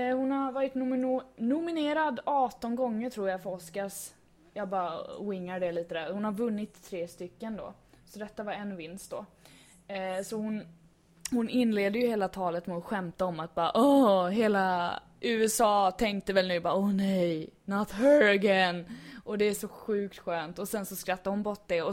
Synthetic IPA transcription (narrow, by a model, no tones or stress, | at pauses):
hʊnhaɾvɑːɾɪt̪nʊnʊmɪneːɾad̪ɑːt̪ɔnɡɔŋːəʈʰɾuːɾjafɔskas | jɑːɡbɑːɾwɪŋːaɖɛliːt̪əd̪æɾhʊnhaɾvɵnːɪt̪ʰːɾeːst̪ʏkːənd̪ɔ̰ː | sɔd̪ɛt̪ːavaɾɛnːvɪnst̪̚d̪ɔ | sɔhʊn | hʊnɪnleːd̪əjɵheːlat̪ʰɑːlət̪mɛɔt̪ɧɛmt̪aɔmat̪̚bɑːʔɔɦeːla | ʔʉːɛsɑːt̪ʰɛŋk̚t̪əvɛlnʉːbɑːɔnɛjnat̪hœɾɛɡɛnʔɔd̪ɛæʂɔɧʉ̟ːk̚t̪ɧøːnt̪ɔsɛnsɔskɾat̪ːaɾhʊnbɔʈːd̪ɛɔ